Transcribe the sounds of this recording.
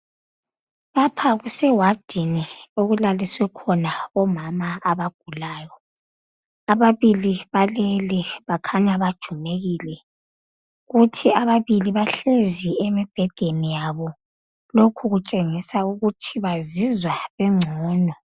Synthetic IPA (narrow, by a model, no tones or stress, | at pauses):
βapʰaɣusɛwad̥ʱinioɣulaliswɛkʰɔnaɔmamaaβaɡ̥ʱulaːjɔ | aβaβiliβalɛlɛβakʰaɲaβad̥ʒ̥ʱumeɣiːlɛ | ɣutʰiaβaβiliβaɬeziemib̥ʱɛd̥ʱenijaβɔ | lokʰuɣut͡ʃʼeŋisauɣutʰiβazizwaβɛŋ͡ǀʱɔːnɔ